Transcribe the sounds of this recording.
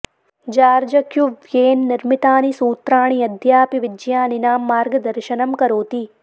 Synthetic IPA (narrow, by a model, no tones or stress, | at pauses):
d͡ʒaːɾd͡ʒɐkjuʋjeːnːiɾmit̪aːnisuːt̪ɾaːɳiɐd̪jaːpiʋid͡ʒjaːninaːmːaːɾɡɐd̪ɐɾʃɐnɐmkɐɾoːt̪i